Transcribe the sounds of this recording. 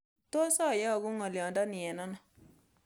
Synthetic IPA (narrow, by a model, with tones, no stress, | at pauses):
to˦sɔ˦˨jɔ˦˨ɡʊ˦ŋɔ˨ljɔ˨ndɔ˦nɪ˨ɛ˨nɔ˦nɔ˨